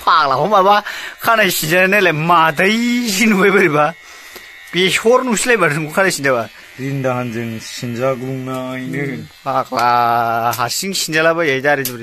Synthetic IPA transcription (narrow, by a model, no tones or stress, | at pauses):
pʰak̚laɦɔmabakʰanajsind͡ʒananalemadɐjzinubajbaɾiba | peshɔɾnusilajbaɾuŋukʰanajsind͡ʒaba | ɾindaɦanzeŋsinzaɡɾuŋnaːjnɯpʰaklaɦasiŋsind͡ʒalabajajdaɾezibɾi